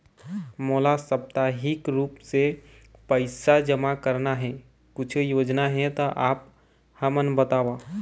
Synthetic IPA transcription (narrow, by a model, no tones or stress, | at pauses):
moːlasəp̚t̪aɦɪkɾuːpse | pəɪsad͡ʒəmakəɾnaɦɛ̃ | kʊt͡ʃʰjoːd͡ʒnaɦɛ̃t̪oʔaːp̚ | həmənbət̪aːʋaː